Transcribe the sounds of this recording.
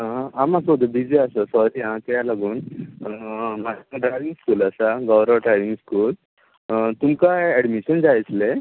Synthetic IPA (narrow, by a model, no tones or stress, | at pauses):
amãsod̪əbid͡ʑeasəsɔɾiɦãt̪jalaɡuːn | maɖɾajʋiŋɡskuːlasaɡɔwɾəʋʈɾajʋiŋɡskuːl | t̪umkajɛɽmiɕənd͡zajt͡sle